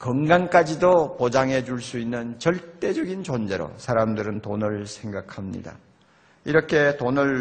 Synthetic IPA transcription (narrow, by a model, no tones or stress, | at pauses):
kʌŋɡaŋk͈ad͡ʑidopod͡ʑaŋɦe̞d͡ʑuɭs͈uinːɯnt͡ɕʌɭt͈e̞d͡ʑʌɡint͡ɕond͡ʑe̞ɾo̰sʰaɾamdɯɾɯntonɯɭsʰe̞ŋɡakʰamɲḭda̰ | iɾʌkʰe̞tonɯɭ